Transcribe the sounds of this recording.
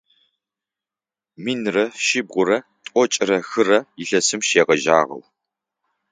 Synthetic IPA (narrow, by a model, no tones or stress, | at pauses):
miːnrɐʃɪb̚ʁʷʊɾɐ | tʼɔt͡ʃʼɪrɐxɨrɐjɪɬɐsɨmʃeːʁɐʒa̰ːʁɐ̰w